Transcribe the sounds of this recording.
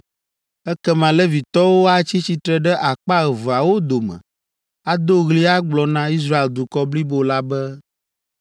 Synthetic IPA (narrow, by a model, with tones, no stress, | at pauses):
ɛ˦kɛ˦mã˨lɛ˦vi˨t̪ɔ˦wo˦a˦t͡ɕi˦t͡ɕi˦t̪ɾɛ˦˨ɖɛ˦ʔa˨k͡pa˦ɣɛ˨vo˨a˨wo˦d̪o˨mɛ̰̃˨ | a˦d̪o˦ɣli˦a˦ɡ͡blɔ˨nã˦i˦s̬ɾa˦e˨ld̪u˨kɔ˦bli˦bo˨la˦bɛ˦